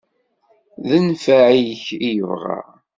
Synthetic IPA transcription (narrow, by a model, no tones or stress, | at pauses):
ðənfæʕiçijəvʁa̰